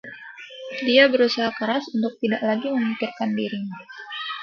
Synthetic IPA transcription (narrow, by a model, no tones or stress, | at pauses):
diabəɾusaɦakəɾasunt̪ʊk̚t̪idaʔlaɡiməmikɪrkandiɾiɲ